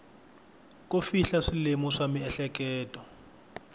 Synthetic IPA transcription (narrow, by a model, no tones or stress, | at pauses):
kʼufiɬaʂilemɔʂamiɛɬɛk̬ʼɛːtʼɔ